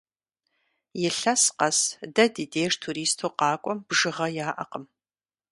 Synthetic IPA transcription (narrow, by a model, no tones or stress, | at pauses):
jɪɬɐsqɐsdɐdideːʂtʰuːɾiːstʰoːqɑːkʷʼɔmb̥ʒɨʁɐjaːʔɐ̰qəm